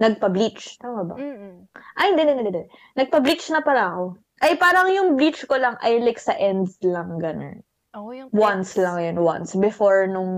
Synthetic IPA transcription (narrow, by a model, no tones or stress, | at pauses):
nɐɡ̚pɐblit͡ʃt̪aːmɐbɐ̰ | ʔɐjnd̪ɛnɛnɛd̪ɛd̪ɛd̪nɐɡ̚pɐblit͡ʃnɐpɐɾɐɐko̞ | ʔɐjpaːɾɐŋjʊŋblit͡ʃkolɐŋʔɐjlɪksɐʔɛnd̪slɐŋɡɐno̰n | wanslɐŋjonwa̰nsbɛfoɹnʊŋ